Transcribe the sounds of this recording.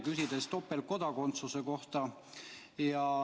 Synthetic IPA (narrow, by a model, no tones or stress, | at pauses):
kysʲid̪̥e̞st̪o̞pːelko̞d̪̥ɑko̞nt̪suse̞ko̞ht̪ɑ | jɑ